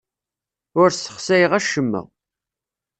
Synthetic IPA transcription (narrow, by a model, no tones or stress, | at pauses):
ʊɾsə̥χsæjəʁæʃəmːə̰ʁ